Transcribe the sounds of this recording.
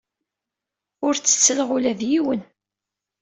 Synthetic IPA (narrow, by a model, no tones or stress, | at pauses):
ʊɾt͡sːə̥t͡sːəlʁʊlæðjiwən